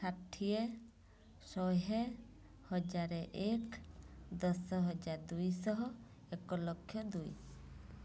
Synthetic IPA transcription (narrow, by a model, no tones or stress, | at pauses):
saʈʰːie | sɔɦɛ | hɔd͡ʒaɾɛʔekd̪ɔsɔɦɔd͡ʒaɾd̪ujsɔɦɔ | ɛkɔlɔkʰjɔd̪uj